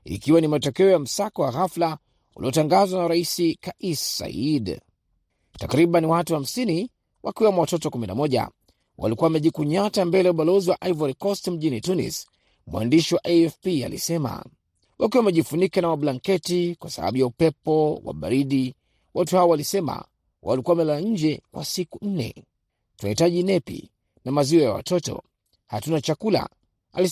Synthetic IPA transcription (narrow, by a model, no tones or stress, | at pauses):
ḭkiwanimatɔkɛɔjam̩sakɔwaɣafla | ṵliɔtaŋɡazwanaɾaisikaʔisa̰id | takɾiɓaniwatuham̩sini | wʔakiwamawatɔtɔkumina̰mɔʄa̰ | wa̰likuwawamɛʄikuɲatambɛlɛuɓalɔziwaʔajvaɾikɔstm̩ʄinitunḭs | mua̰ndiʃiwaʔaɛfpia̰lḭsɛma̰ | wʔak̬iwamɛʄifunikanawaɓlaŋkɛtikwasaɓa̰ɓujaupɛpɔwa̰ɓa̰ɾiɗi | watuhaɔwalisɛma̰ | wa̰likuaamɛlaɲ̩d͡ʒɛkwʔa̰sikun̩nɛ̰ | tunahitaʄinɛpḭ | namaziɔjawa̰tɔtɔ̰ | hatunat͡ʃakula̰ | ali